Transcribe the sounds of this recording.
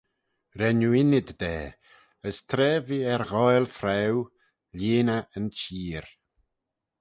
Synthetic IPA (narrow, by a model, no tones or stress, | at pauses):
ɾɛnuɪnɪd̪ːɛː | əst̪ʰɾɛːviːɛɾɣɔjlfɾɛw | leːnaənt͡ʃiːɾ